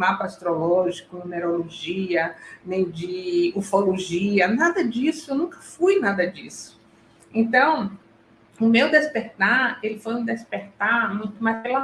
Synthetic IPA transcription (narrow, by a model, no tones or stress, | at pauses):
mapɐast̪ɾolɔʒikʊnuneɾoloʒiɐnẽj̃d͡ʒɪuɾfoloʒiɐnad̪ɐd͡ʒisʊewnũkɐ̥fujnad̪ɐd͡ʒisʊ̥ | ẽnt̪ɐ̃w̃ | ʊmewd̪espeɾt̪aɾelɪfojũd̪espeɾt̪aɾmũj̃t̪ʊmajela